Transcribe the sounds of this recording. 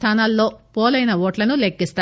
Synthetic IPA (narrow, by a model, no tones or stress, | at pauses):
t̪ʰaːnaːlːo̞ːpoːlɐjnɐʋoːʈlɐnulekːist̪a